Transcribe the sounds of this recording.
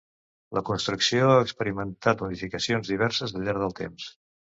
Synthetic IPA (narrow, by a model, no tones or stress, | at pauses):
ləkunst̪ɾuksioaəkspəɾimənt̪at̪muðifikəsionzðiβɛɾsəzðəʎːaɾðəlˠt̪ḛms